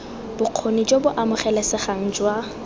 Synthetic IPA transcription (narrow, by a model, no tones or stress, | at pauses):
b̥ʊq͡χʰonid͡ʒobʊʔamʊχɛlɛsɪχaŋ̩d͡ʒwa